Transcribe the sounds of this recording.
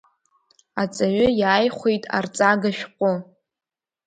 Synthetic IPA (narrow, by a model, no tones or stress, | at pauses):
at͡sʼaɥʊjaːjχʷejtʼa̰rt͡sʼaɡaʃᶣqʷʼʊ